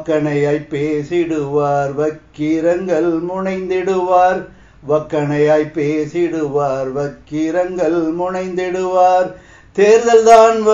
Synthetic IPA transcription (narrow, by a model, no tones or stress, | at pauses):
kːɐɳɐjaːjpːeːsɪɽɯʋaːɾʋɐkːɪɾɐŋɡɐɭmʊɳɐɪnd̪ɪɽɯʋaːɾ | ʋɐkːɐɳɐjaːjpːeːsɪɽɯʋaːɾʋɐkːɪɾɐŋɡɐɭmʊɳɐɪnd̪ɪɽɯʋaːɾ | t̪eːɾðɐlðaːnʋɐ